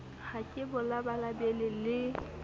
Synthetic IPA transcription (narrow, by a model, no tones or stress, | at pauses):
hakʼɪbʊlabalabɛlɪlɪ